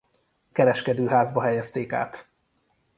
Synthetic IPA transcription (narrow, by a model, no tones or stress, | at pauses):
kɛɾɛʃkɛd̪øːɦaːzbɒɦɛjɛst̪eːka̰ːt̪